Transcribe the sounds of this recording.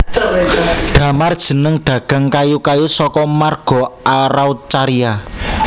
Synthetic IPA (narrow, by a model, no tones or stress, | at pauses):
ɖ̪̥ä̤mard̥ʒ̥ə̤nəŋɖ̪̥ä̤ɡ̥a̤ŋkajukajusɔkɔmarɡ̥ɔ̤aɾawt͡ʃaɾia